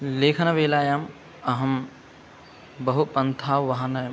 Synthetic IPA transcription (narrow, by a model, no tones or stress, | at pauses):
leːkʰɐnɐʋeːlaːjaːm | ɐɦɐm | bɐɦupɐnt̪ʰaːʋʋɐɦãnɐ